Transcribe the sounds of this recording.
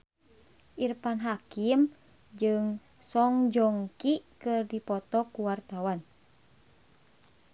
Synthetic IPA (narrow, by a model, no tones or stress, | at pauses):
ʔirpanɦakim | d͡ʒɨŋ | sɔŋd͡ʒɔŋkikɨrdipɔt̪ɔkuwart̪awan